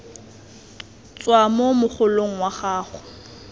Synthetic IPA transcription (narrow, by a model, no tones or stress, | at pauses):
t͡sʼwamomʊχʊloŋ̩waχaːχʊ